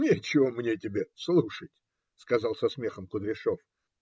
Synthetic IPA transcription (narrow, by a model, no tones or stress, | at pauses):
nʲet͡ɕɪvomnʲetʲɪbʲeslˠuʂətʲ | skɐzɑlˠsɐsmʲe̞xəmkʊd̪ɾʲɪʂof